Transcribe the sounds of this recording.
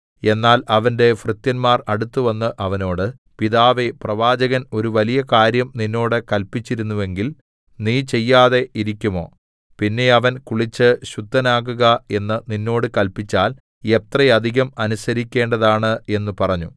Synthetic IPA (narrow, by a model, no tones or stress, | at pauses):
e̞nːaːlɐʋɐnde̞frɨt̪jɐnmaːrɐɽut̪ːuʋɐnːɨʔɐʋɐno̞ːɽɨ | piðaːʋeprɐʋaːd͡ʑɐɣɐno̞ɾuʋɐlijɐkaːɾjɐmninːo̞ːɽɨkɐlpit͡ɕːiɾunːuʋe̞ŋɡil | niːt͡ɕe̞jːaːðe̞iɾikʲːumo̞̰ː | pinːe̞ɐʋɐnkuɭit͡ɕːɨɕud̪ʱːɐnaːɣuɣɐe̞nːɨninːo̞ːɽɨkɐlpit͡ɕːaːl | e̞t̪rɐjɐd̪ʱiɣɐmɐnusɐɾikʲːe̞ːɳɖɐðaːɳɨe̞nːupɐrɐɲːu